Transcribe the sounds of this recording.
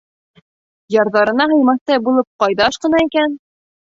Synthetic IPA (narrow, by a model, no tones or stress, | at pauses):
jɑɾðɑɾɤ̆nɑɦɤ̆jmɑθt̪ɑjbulˠɤp̚qɑjðɑʃqɤ̆nɑikæn